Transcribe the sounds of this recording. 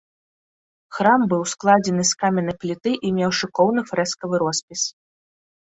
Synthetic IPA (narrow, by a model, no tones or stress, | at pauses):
xɾambɨwsklˠad͡zʲɛnɨskamʲɛnɨplʲit̪ɨʔimʲɛwʂɨkɔwnɨfɾɛskɐvɨɾɔspʲis